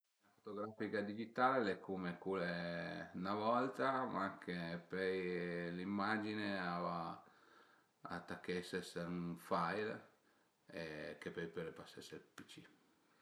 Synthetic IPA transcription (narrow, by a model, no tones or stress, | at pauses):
nafot̪oɡɾafikad̪id͡ʒit̪aːlelekʰːumekulenavɔlt̪amakʰepɛjlimːad͡ʒineava | a̰t̪ːakːɛseseufajl | ekepɛjpɛlepaseselpit͡ʃi